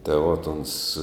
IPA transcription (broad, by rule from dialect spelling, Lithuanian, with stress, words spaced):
tɐɪ ˈʋoːt ˈoːns